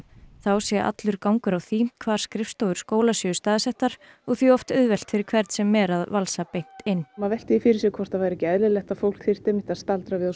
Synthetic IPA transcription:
θawsjɛʔa̰t̪lʏɾkawŋkʏɾawθiːm̥kʰvaːɾ̥skɾɪfst̪owʏ̥skoːwlasʏʏst̪aːðɪsɛht̪ːaɾ̥ | ɔɣθiɔft̪œðvɛlt̪fɪɾɪɾkʰvɛɾt̪sɛmːɛɾaðvalsapejn̥t̪ɪnːmavɛjl̥t̪ɪifɪɾɪsɛkʰvɔr̥t̪avajɾɛcɪɛðlɪlɛxt̪afowl̥kθɪr̥t̪ejmɪht̪aðst̪alt̪ɾavɪða

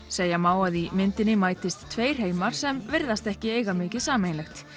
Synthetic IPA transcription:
seːjamaːwaðimɪnt̪ɪnːɪmaːjt̪ɪst̪ʰːveːjr̥heːjmaɾ̥sɛmvɪɾðast̪ɛhcɪeːjɣamɪːcɪðsaːmejnlɛxt̪

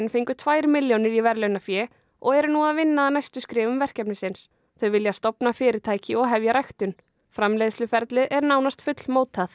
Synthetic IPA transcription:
nfeŋkʏt̪ʰvaːjɾmɪljonɪɾivɛɾlœjnafjɛː | ɔɣɛɾʏnuːaðvɪnːaːðnajst̪ʏskɾɪːvʏmvɛr̥cɛpnɪsɪns | θœɥvɪljast̪ɔpnafɪːɾɪɾ̥t̪ʰaːjcɪɔɣɦɛvjaɾajxt̪ʏn | fɾamlejðslʏfɛɾt̪lɪðʔɛɾnaːwnast̪fʏt̪lmoːwt̪ʰːaθ

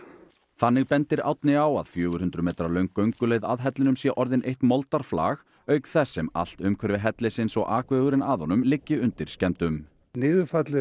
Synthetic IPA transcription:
θanːɪɣpɛnt̪ɪɾa̰wt̪nɪawa̰ðfjœːɣʏɾ̥hʏnt̪ɾʏmɛːt̪ɾalœɥŋkːœɥŋkʏleːjðaðɦɛt̪lɪnʏmsjɛʔɔɾðɪnʔejht̪mɔlt̪aɾ̥fla̰ːɣ | œːɥkθɛsːɛma̰l̥t̪ʏmkʰvɛɾvɪɦɛt̪lɪsɪnsɔɣʔaːkvɛːɣʏɾɪnaðhɔnʏmlɪcːɪʏnt̪ɪɾ̥scɛmt̪ʏm | nɪːðʏfat̪lɪ

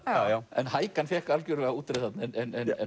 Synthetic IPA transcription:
aɛ̰nhaːjkanfjɛhkaalcʏɾvɛɣauːt̪ɾɛθat̪nɪɛnɛnɛnɛ

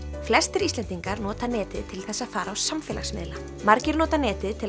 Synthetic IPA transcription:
flɛst̪ɪɾislɛnt̪iŋkaɾnɔːt̪anɛːt̪ɪðt̪ʰɪlθɛsːaðfaːɾawsamfɛla̰xsmɪ̰ðla | maɾcɪɾnɔːt̪anɛːt̪ɪðt̪ʰɪl

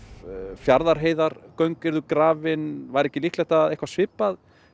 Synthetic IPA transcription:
fjaɾðaɾ̥ɦeːjðaɾkœɥŋkɪɾðʏkɾaːvɪnvajɾɛhcɪlihtlɛjht̪aðejhkvasvɪpːað

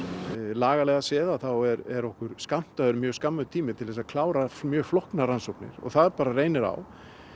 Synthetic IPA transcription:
laːɣalɛɣasɛːðaθawɛɾɛɾɔhkʏɾ̥skam̥t̪aðʏɾmjœːskamːaðʏt̪ʰiːmɪt̪ʰɪlθɛsaðkʰlaːwɾamjœːɣflɔhknaɾansɔwknɪ̰ɾ̥ɔ̰ɣθaðɛɾpaːɾareːjnɪɾa̰w

